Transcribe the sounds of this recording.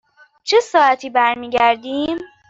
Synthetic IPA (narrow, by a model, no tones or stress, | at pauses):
t͡ʃʰesɒːʔæt̪ʰiːbæɾmiːɡæɾd̪iːm